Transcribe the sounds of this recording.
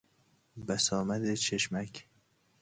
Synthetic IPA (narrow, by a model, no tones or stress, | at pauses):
bæsɒːmæd̪et͡ʃʰeʃmæk